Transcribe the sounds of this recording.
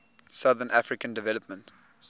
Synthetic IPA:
saðənʔafɹikə̃ndɛvɛləpmə̃nt

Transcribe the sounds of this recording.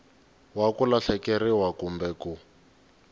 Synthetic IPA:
wakulaɬɛkɛɾiwakumbɛku

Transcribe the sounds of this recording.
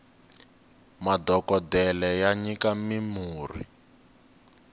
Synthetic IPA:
madɔkɔdɛlɛjaɲikamimuːrḭ

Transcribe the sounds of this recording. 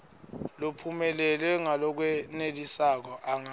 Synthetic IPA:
lopʰumɛlɛlwɛŋalɔk̬wɛnelisak̬ɔʔaŋa

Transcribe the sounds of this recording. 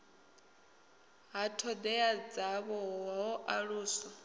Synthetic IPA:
ɦatʰɔd̪ɛad͡zaβɔɦɔʔaɺuːsɔ

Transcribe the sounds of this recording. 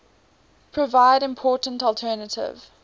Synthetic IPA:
pʰɹ̥əvaɪɾɪ̃mpʰɔːˑtəntɔlˠtʰɜːnətʰɪ̰v̥

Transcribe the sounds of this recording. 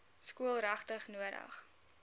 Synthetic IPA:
skuəlˠrɐχtəχnuəɾdɐ̰χ

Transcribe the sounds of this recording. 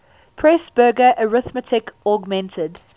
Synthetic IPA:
pʰɹɛsb̥ɜːɡəʔəɹɪθmətʰɪkɔɡmɛ̃ntʰəd

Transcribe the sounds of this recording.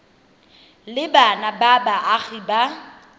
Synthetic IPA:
lɪbanababaʔaɣiba

